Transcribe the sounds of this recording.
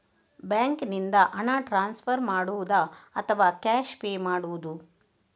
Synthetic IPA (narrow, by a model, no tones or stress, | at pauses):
bjaːŋknind̪ɐʔɐnaːʈɾaːnspʰɐɾmaːɽuʋud̪ɐɐt̪ʰɐʋaːkaːʃpeːmaːɽuʋud̪u